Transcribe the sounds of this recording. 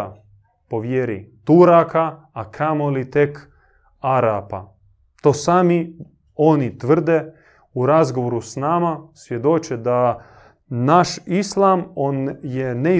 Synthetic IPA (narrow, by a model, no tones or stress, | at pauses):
po̞ʋjeɾḭt̪uɾakaː | kʰamo̞lit̪e̞k | aɾapa̰ | t̪o̞ːsaːmi | o̞nit̪ʋr̩d̪e̞ | uɾazɡo̞ʋoɾusnamasʋje̞d̪o̞t͡ʃed̪a | naʃislˠamoːnjene